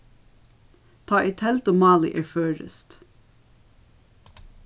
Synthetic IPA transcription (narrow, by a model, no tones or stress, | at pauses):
t̪ʰɑːʔit̪ʰɛlt̪əmɑːlˠḭʔeːɹføːɹə̰st̪